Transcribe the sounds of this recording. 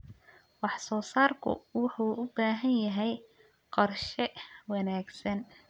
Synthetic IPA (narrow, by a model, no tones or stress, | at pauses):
wɑħsɔːsaːrkʰʊ̰wɑħuːʔʊbaːɦɐnjɐɦɛj | qɑrʃɛwɑnaːɡsɐn